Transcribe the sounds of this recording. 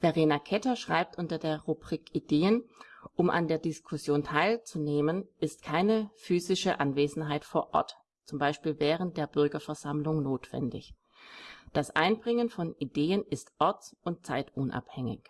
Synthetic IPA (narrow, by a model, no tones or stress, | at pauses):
v̥eʁeːnakʰɛtɐʃʁ̥a̰ɪp̚tʔʊntɐdeːɐʁubʁiːkideːənʔʊmʔa̰ndeːɐdɪskʰʊsjoːntʰaɪlt͡suneːmənʔɪstkʰaɪnəfyːzɪʃəʔanveːzn̩ɦaɪtfoːɐʔɔ̰ɐt | t͡sʊmbaɪʃpiːlvɛːʁ̞ənt̚d̥eːɐbʏɐɡɐfɛɐzamlʊŋnoːtv̥ɛ̰ndɪ̰ç | d̥asʔa̰ɪnbʁɪŋənfɔnideːənɪstʔɔɐt͡sʔʊnt̚t͡saɪtʔʊnʔa̰phɛŋɪ̰ç